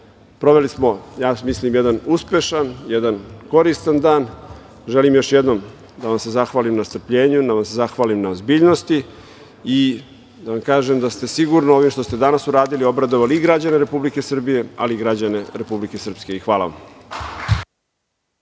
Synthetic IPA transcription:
pɾo̞ʋe̞lismo̞jaːmislimjed̪anuspe̞ʃanjɛd̪anko̞ɾist̪and̪aːn | ʒelimjoʃjed̪no̞m | d̪aʋamse̞zaxʋaːlimnast̪r̩pʎe̞ːɲud̪aʋamsezaxʋaːlimnaozbiːʎno̞st̪i | i | d̪aʋamkaːʒemd̪ast̪e̞siɡuɾnoo̞ʋimʃt̪o̞st̪e̞d̪anasuɾaːd̪ilio̞bɾad̪oʋaliiɡɾad͡ʑane̞ɾe̞publike̞sr̩bije̞a̰liiɡɾad͡ʑane̞ɾe̞publike̞sər̩pske̞ixʋaːla̰ʋam

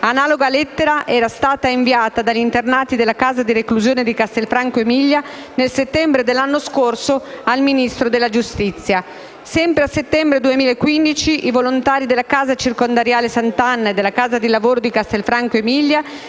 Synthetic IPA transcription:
anaːloɡalɛt̪ːeɾaʔɛːɾast̪aːt̪aiɱviaːt̪ad̪aʎːint̪ernaːt̪id̪elːakaːzad̪irekluzjoːned̪ikast̪elfɾaŋkoemiʎːa | nelset̪ːɛmbɾed̪elːanːoskorsoalminist̪ɾod̪elːad͡ʒust̪it̪sːja | sɛmpɾeaset̪ːɛmbɾed̪uemiːlaekːwind̪it͡ʃiʔivolont̪aːɾid̪elːakaːzat͡ʃirkond̪aɾjaːlesant̪anːaed̪ːelːakaːzad̪ilavoːɾod̪ikast̪elfɾaŋkoemiʎːa

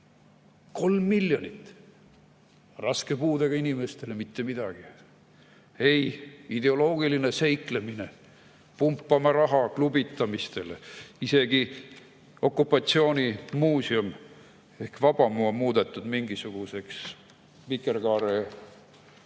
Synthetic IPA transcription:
ko̞lmːilːjonʲit̪ːˑ | rɑske̞puːd̪eɡ̥ɑinime̞st̪e̞lemit̪ːe̞mid̪̥ɑɡ̥i | e̞jid̪e̞o̞lo̞ːɡiline̞se̞jkle̞mine̞ | pumpːˑɑmɑɾɑɦɑklubit̪ːˑɑmist̪e̞leise̞ɡ̥i | o̞kˑːupːˑɑt̪sio̞ːnʲimuːsium | e̞hkvɑb̥ɑmuomuːd̪̥e̞t̪ːˑud̪miŋɡisuɡ̥use̞ks | pikerkɑːɾe

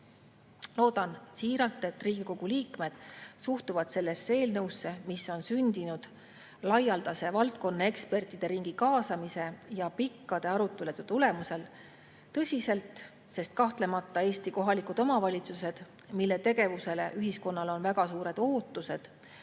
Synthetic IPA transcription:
lo̞ːd̪̥ɑnsiːɾɑlt̪ːˑe̞t̪ːriːɡ̥iko̞ɡ̥uliːkme̞d̪̥suht̪uvɑd̪̥se̞lːe̞sːee̞ːlnɤwsːe̞misːo̞nsynʲd̪inud̪̥ | lɑjɑld̪ɑse̞vɑlt̪̚ko̞nːɑe̞kspe̞rt̪ˑid̪̥e̞ɾiŋɡ̥ikɑːsɑmise̞jɑpikːɑd̪̥e̞ɑɾut̪ːˑeled̪et̪ule̞muse̞l | t̪ɤ̞sʲise̞lt̪ˑ | se̞st̪̚kɑht̪le̞mɑt̪ˑːɑe̞ːst̪iko̞ɦɑlikud̪o̞mɑvɑlʲit̪suse̞d̪̥ | milːe̞t̪e̞ɡ̥e̞vuse̞le̞ʔyɦisko̞nːɑlo̞nvæɡ̥ɑsuːɾe̞d̪̥o̞ːt̪ːˑuse̞d̪̥

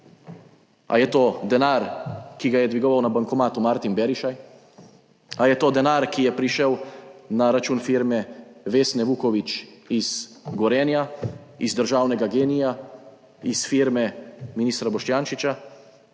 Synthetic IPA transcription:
a̰jɛt̪oːd̪ɛnaːɾkiɡajɛd̪ʋiɡɔʋawnabaŋkɔmaːt̪umaɾt̪imbɛɾiʃaj | ajɛt̪oːd̪ɛnaːɾkijɛpɾiʃɛwnaɾat͡ʃuːnfiɾmɛʋeːsnɛʋuːkɔʋit͡ʃiz̥ɡɔɾɛːnjaizd̪əɾʒaːwnɛɡaɡeːnija | isfiɾmɛminiːst̪ɾabɔʃt͡ʃ̪jaːnʃit͡ʃa

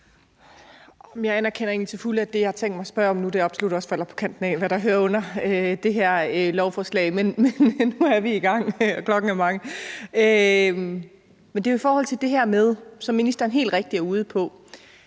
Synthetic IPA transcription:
ɒmjɑ̈ɪænæɐkʰenɐe̝ːnlit͡sʰe̝fuləæd̥e̝jɑhɑt͡sʰeŋ̰d̥mɑ̈ɪsb̥ɶɐ̰ɒ̽mnud̥e̝ɒ̽b̥solud̥ɒ̽sfæl̰ɐpʰɒ̥̽kʰæn̰d̥n̩ɛ̰ːʋæɾ̥ɑ̈ɦøːɐɔ̽n̰ɐød̥e̝ɦæɐ̰lɒʊfɒːslɛ̰ɪmenmenːuæɐʋiiɡ̥ɑ̈ŋ̰kʰlɒ̽ɡ̥n̩æmɑ̈ŋəø | mend̥e̝oifɒːhɒ̽l̰t͡sʰe̝ld̥e̝ɦæɐ̰með̞ˠsɒ̽mːinisd̥ɐenɦe̝̰ːld̥ʁeɡ̥̚d̥iæɐuːð̞ˠəpʰɒ̽

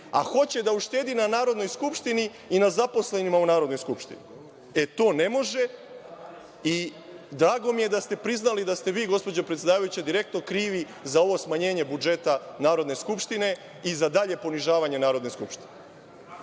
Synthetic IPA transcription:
a̰xo̞t͡ɕe̞d̪auʃt̪e̞ːd̪inanaːɾo̞d̪no̞jskupʃt̪ini | inazapo̞sle̞nimaunaːɾo̞d̪no̞jskupʃt̪ḭni | e̞t̪o̞ːne̞mo̞ʒe̞ | i | d̪ɾaːɡo̞mije̞d̪ast̪e̞pɾiznalid̪ast̪e̞ʋiːɡo̞spo̞d͡ʑopɾet̪sjd̪aːʋajut͡ɕed̪iɾe̞k̚t̪no̞kɾiːʋi | zao̞ʋo̞smaɲe̞ːɲe̞bud͡ʒe̞t̪anaːɾo̞d̪ne̞skupʃt̪ine̞ | izad̪aʎe̞po̞niʒaːʋaɲe̞naːɾod̪ne̞skupʃt̪i̥ne

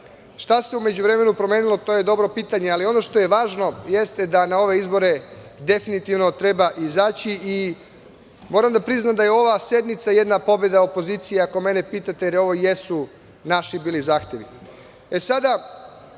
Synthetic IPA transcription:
ʃt̪ase̞ume̞d͡ʑuʋɾe̞me̞nupɾo̞meːnilˠo̞t̪o̞je̞d̪o̞bɾo̞piːt̪aɲealio̞no̞ʃt̪o̞je̞ʋaːʒno̞je̞st̪ed̪anao̞ʋe̞izbo̞ɾed̪e̞finit̪iʋno̞t̪ɾe̞baʔizaːt͡ɕiʔi | mo̞ɾamd̪apɾiznamd̪ajeo̞ʋasje̞d̪mit̪saje̞d̪napo̞be̞d̪ao̞po̞ziːt̪sijeako̞me̞ne̞piːt̪at̪ejeɾio̞ʋo̞jesu | naʃibiːlizaːxt̪je̞ʋi | e̞sad̪a

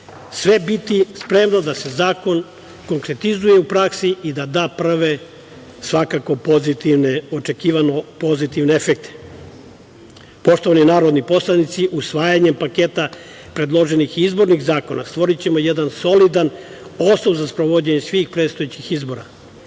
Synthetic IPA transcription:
sʋe̞bit̪ispɾe̞mno̞d̪ase̞zaːko̞n | ko̞ŋkɾe̞t̪izuje̞upɾaksiid̪ad̪aːpr̩ʋe̞ | sʋakako̞pozit̪iʋneot͡ʃe̞kiːʋanopo̞zit̪iʋneefek̚t̪e̥ | po̞ʃt̪o̞ʋaninaːɾod̪nipo̞slˠanit̪siʔusʋaːjaɲe̞mpaket̪a | pɾe̞d̪lˠo̞ʒe̞nixizbo̞ɾniɣzaːko̞na̰st̪ʋo̞ɾit͡ɕe̞mo̞jed̪anso̞lid̪an | o̞snobzaspɾoʋod͡ʑeɲesʋiːxpɾed̪st̪ojet͡ɕixizbo̞ːɾa̰

